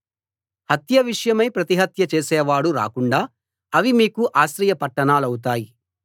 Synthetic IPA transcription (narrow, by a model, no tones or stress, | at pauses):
hɐt̪jɐʋiʂɐjɐmɐjpɾɐt̪iɦɐt̪jɐt͡ʃeːsɛːʋaːɽuɾa̰ːkuɳɖaː | ɐʋimiːkuʔaːʃɾɐjɐpɐʈːɐnaːlɐwut̪aːji